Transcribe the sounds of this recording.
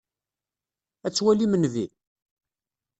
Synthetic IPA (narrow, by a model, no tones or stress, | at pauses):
æt͡sːwælimənvi